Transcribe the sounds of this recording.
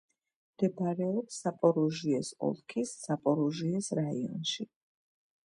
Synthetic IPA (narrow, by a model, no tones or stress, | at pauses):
md̪̥ɛbaɾɛɔpsapʼɔɾuʒiɛsɔ̰lˠkʰisːapʼɔɾuʒiɛsɾaiɔ̰nʃi